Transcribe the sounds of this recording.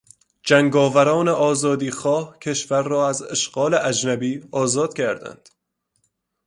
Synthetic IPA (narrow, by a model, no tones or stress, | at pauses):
d͡ʒæŋɡɒːvæɾɒːneʔɒːzɒːd̪iːxɒːhcʰe̞ʃvæɾːɒːæzeʃɢɒːleʔæd͡ʒnæbiːɒːzɒːd̪̥cʰæɾd̪æ̰nd̪̥